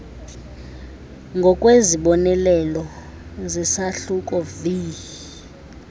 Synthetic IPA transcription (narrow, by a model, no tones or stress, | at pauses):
ŋɡʱɔkʼweziɓɔnɛlɛlɔ | zisaɬuk̬ʼɔviː